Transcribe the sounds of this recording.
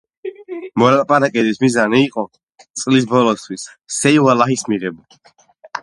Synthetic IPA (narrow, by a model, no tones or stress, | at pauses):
mɔlapʼaɾakʼɛbismizaniːqʼɔ | t̪sʼlisbɔlɔst̪ʰwisː | ɛiwalahismiʁɛba